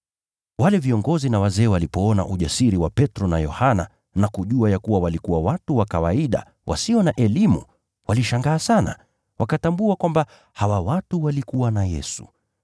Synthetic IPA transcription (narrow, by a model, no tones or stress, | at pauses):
walɛviɔŋɡɔzinawazɛːwalipɔɔna̰ʔuʄasiɾiwapɛtɾɔna̰jɔhana̰ | nakuʄuajakuwawalikuwawatuwakawaiɗa̰ | wʔa̰siɔnaʔɛlimṵ | waliʃaŋɡaːsana̰ | wʔakatambuakwamba | hawawatuwalikuwanajɛ̰su̥̰